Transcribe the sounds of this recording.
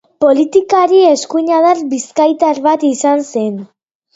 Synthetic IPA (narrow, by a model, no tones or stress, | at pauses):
po̞lit̪ikaɾie̞skuɲaðarbiskajt̪aɾβat̪isanse̞n